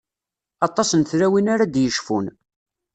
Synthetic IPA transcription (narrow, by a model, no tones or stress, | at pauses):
ɑt̪ˤɑsənθɾæwinaɾad̪jəʃfun